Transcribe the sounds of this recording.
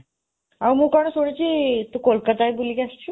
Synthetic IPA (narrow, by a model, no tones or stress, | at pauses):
amukaɽ̃əsoɽ̃it͡ɕit̪ukolkət̪ajbuliɡast͡ɕʰu